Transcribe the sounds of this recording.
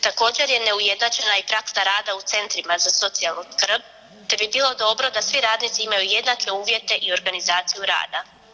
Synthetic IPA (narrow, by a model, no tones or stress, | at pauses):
t̪ako̞ːd͡ʑe̞ɾjene̞uje̞d̪nat͡ʃe̞naipɾaksaɾaːd̪aut̪se̞nt̪ɾimazaso̞t̪sialˠnoskr̩p | t̪ebibiːlˠo̞d̪o̞bɾo̞d̪asʋiɾaːd̪nit̪siimajuje̞d̪nake̞uːʋje̞t̪e̞ʔio̞ɾɡanizaːt̪sijuɾa̰ːd̪a